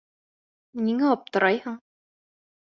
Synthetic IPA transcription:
nʲiŋæɒp̚t̪ɤ̆ɾʔɑjhɤɴ

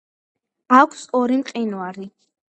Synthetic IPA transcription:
akʷʰsɔɾimqʼinwaɾi

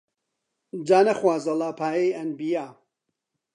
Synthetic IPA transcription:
d͡ʒaːnɐxwaːzɐlˠaːpʰaːjejɐnbijaː

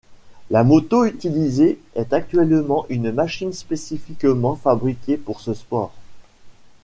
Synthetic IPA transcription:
lamɔt̪oyt̪ilizeɛt̪ak̚t̪ɥɛlmɑ̃ʔynmaʃinspesifikmɑ̃fabʁikʲepuʁsəspɔːʁ

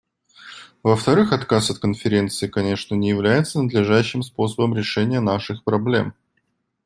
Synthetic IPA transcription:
vəft̪ɐɾɨxɐt̪kasɐt̪̚kənfʲɪɾʲe̞nt̪sɨɪkɐnʲe̞ʂnənʲɪjɪvlʲæjɪt̪sənəd̪lʲɪʐaɕːɪmspo̞səbəmɾʲɪʂɛnʲɪjənaʂɨxpɾɐblʲe̞̰m

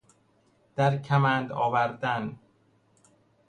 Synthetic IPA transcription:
d̪̥æɾcʰæmæːnd̪ɒːvæɾd̪æn

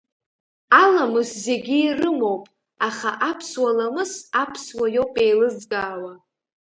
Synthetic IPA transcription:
alamɨzze̞ɡʲiːrɨmo̞wpʼ | aχaʔapʰswalamɨsapʰswajo̞wpʼe̞jlɨzɡʼaːwa

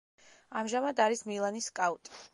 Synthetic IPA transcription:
amʒamad̪aɾismilˠaniskʼaut̪ʼi̥

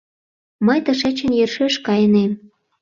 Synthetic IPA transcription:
məjt̪ɤ̆ʃet͡ɕə̆njørʃeʃkɑjənem

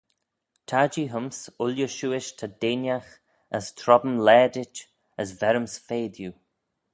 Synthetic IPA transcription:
t̪ʰad͡ʒiɦəmsʊljəʃuːɪʃt̪ʰad̪eːnjax | əst̪ʰɾɔbəmlɛːdɪt͡ʃ | əsvɛɾəmsfeːd̪ju

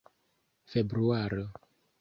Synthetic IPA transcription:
febɾuaɾo

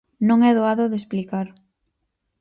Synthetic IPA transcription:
nõŋɛðoaðoðesplikaɾ

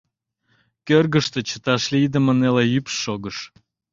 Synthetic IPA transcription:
kørɣəʃt̪et͡ɕə̥t̪ɑʃlid̪əmənelejypʃːoɣəʃ

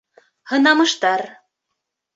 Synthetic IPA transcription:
hɤ̆nɑmɤ̆ʃt̪ɑɾ

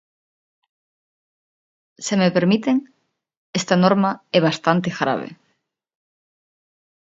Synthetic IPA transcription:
semepeɾmit̪eŋ | est̪anoɾmɐɛβ̞ast̪ant̪exɾa̰β̞ḛ

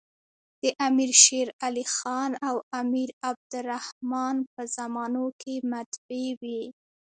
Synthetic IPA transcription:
d̪̥əʔamiɾʃeɾalixɑnawamiɾab̚d̪ʊɾahmɑnpəzamɑnokʰemat̪bewi

